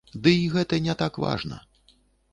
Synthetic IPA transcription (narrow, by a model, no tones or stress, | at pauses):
d̪ɨiɣɛt̪ɐnʲɛt̪akva̰ʐnɐ̰